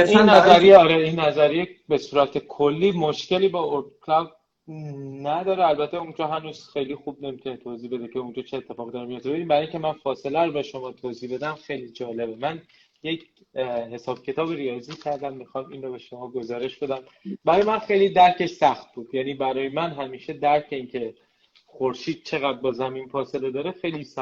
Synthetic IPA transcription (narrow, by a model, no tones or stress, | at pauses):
innæzæɾijeɒːɾeinːæzæɾijebesuːɾæt̪ʰekʰolːiːmoʃce̞liːbɒːoɾd̪kʰlæwd | næd̪ɒːɾeælbæt̪ʰːeund͡ʒɒːɦænuːz̥xe̞jlixub̚ne̞mit̪ʰunet̪ʰoziːbe̞d̪ecʰeund͡ʒɒːt͡ʃʰeːt̪ʰːe̞fɒːʁid̪ɒːɾemijot̪ːeiɾimbæɾɒːiŋcʰemænfɒːse̞læɾobɒʃomɒːt̪ʰoːziːbe̞d̪æmxe̞jlid͡ʒɒːle̞bemæn | jecʰ | ɦe̞sɒːb̥̚cʰe̞t̪ʰɒːbiɾijɒːziːcʰæɾd̪æmːixɒːmiːnɾobeʃo̞mɒːɡo̞zɒːɾe̞ʃb̥e̞d̪æm | bæɾɒːjemænxe̞jlid̪æɾcʰe̞ʃsæxt̪̚buːd̪jæniːbæɾɒːjemænɦæmiːʃe̞d̪æɾcʰeiːncʰe̞ | xoɾʃiːd̪̥̚t͡ʃʰe̞ɣæd̪̚bɒːzæmiːnfɒːse̞led̪ɒːɾexejlisæ